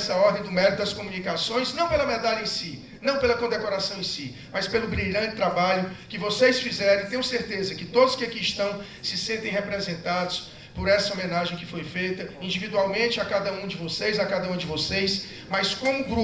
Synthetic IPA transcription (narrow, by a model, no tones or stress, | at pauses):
sɐɔɾd̪ẽj̃d̪ʊmɛɾit̪ʊd̪ɐskomũnikasõj̃znɐ̃w̃pelɐmed̪aʎɐẽsi | nɐ̃w̃pelɐkõd̪ekoɾasɐ̃w̃ẽsi | mɐspelʊbɾiʎɐ̃d͡ʒɪt̪ɾabaʎʊkɪvosejsfizɛɾẽt̪ẽjʊseɾt̪ezɐkɪt̪od̪ʊskɪakiɪst̪ɐ̃w̃ | sɪsẽnt̪ẽj̃ɦepɾezẽnt̪ad̪ʊs | poɾɛsɐomẽnaʒẽj̃kɪfojfejt̪ɐĩd͡ʒivid̪uawmẽt͡ʃɪakad̪ɐũd͡ʒɪvosejzakad̪ɐũd͡ʒɪvosejs | mɐjskõmʊɡɾu